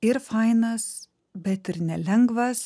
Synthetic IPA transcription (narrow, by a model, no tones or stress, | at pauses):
ɪɾfɐɪnɐs | bʲɛt̪ɪɾnʲɛlʲɛŋɡʋɐs